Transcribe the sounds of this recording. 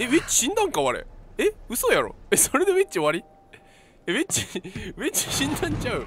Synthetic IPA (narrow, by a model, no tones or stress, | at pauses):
eβet͡ɕi̥ɕĩnd̪ãŋkaβaɾḛeɯ̟sojaɾo̞̰esoɾe̞d̪e̞βet͡ɕiβaɾʲi | eβet͡ɕiβet͡ɕi̥ɕĩnd̪ãɲt͡ɕaɯ̟